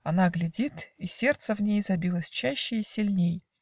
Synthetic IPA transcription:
ɐnaɡlʲɪdʲit̪isʲe̞rt̪səvnʲejzɐbʲilˠəsʲt͡ɕæɕːɪisʲilʲnʲej

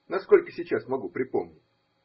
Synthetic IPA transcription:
nɐsko̞lʲkəsʲɪt͡ɕasmɐɡupɾʲɪpo̞mnʲɪtʲ

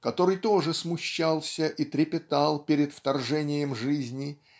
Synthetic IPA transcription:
kɐt̪o̞ɾɨjt̪o̞ʐɨsmʊɕːalˠsʲəʔit̪ɾʲɪpʲɪt̪alˠpʲɪɾʲɪt̪ft̪ɐrʐɛnʲɪjəmʐɨzʲnʲɪ

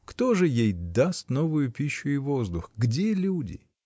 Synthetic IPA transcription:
kt̪o̞ʐɨjejd̪ast̪no̞vʊjʊpʲiɕːʊɪvo̞zd̪ʊxɡdʲelʲudʲɪ̰

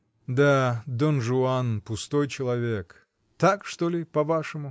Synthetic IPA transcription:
d̪ad̪onʐʊanpʊst̪ojt͡ɕɪlˠɐvʲek | t̪akʂt̪olʲɪpɐvaʂɨmʊ

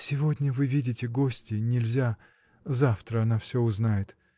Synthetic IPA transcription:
sʲɪvo̞dʲnʲəvɨvʲidʲɪtʲɪɡosʲtʲɪnʲɪlʲzʲa | zaft̪ɾəɐnafsʲoʊznajɪt̪

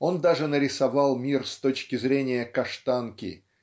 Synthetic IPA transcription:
o̞nd̪aʐɨnəɾʲɪsɐvalˠmʲirst̪o̞t͡ɕkʲɪzɾʲenʲɪjəkɐʂt̪ankʲɪ̰

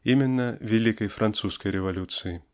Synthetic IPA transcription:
imʲɪnːɐvʲɛlʲikɐjfɾʔant̪suskɐjɾʲɪvalʲut̪sɨji

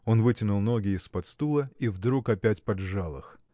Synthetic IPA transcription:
o̞nvɨtʲɪnʊlˠno̞ɡʲɪɪspɐt̪st̪ulˠəivd̪ɾukɐpʲætʲpɐdʐalˠɨ̰x

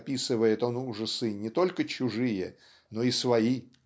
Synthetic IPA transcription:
pʲisɨvəjɪt̪o̞nuʐɨsɨnʲɪt̪o̞lʲkət͡ɕʊʐɨjə | no̞isvɐi

